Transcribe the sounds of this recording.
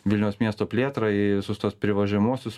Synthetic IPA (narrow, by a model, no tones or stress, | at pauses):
ʋʲɪlʲnʲɛʊsmʲiɛst̪oːpʲlʲeːt̪ɾɐɪʋʲɪsʊst̪uɔspʲɾʲɪʋɐʒʲɛmuɔsʲʊs